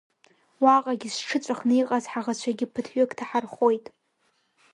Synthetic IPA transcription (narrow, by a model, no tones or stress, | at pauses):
waqʼaɡʲɪsʈ͡ʂʰɨt͡sʷʼaχnɨjqʼazħaʁat͡ɕʷʰaɡʲɪpʰɨtʰɥʏkʼtʰaħarχo̞jtʼ